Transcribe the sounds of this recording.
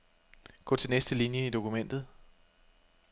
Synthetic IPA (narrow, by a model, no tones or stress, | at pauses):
ɡ̥ɔ̰̽ːt͡sʰe̝lnesd̥əlinjəid̥o̝kʰumen̰d̥ð̩ˠ